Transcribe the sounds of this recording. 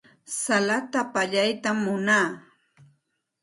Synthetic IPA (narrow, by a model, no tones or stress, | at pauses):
salat̪apaʎajt̪amːʊnaː